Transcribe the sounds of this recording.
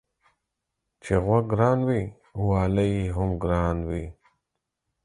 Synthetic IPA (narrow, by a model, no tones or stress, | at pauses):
t͡ʃeɣwaɡɾaːnwi | uwaːlaɦʊmɡɾaːnwi